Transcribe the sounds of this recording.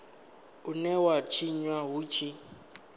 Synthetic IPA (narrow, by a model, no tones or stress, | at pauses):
ʊnɛwat͡ʃʰiɲwaɦut͡ʃʰi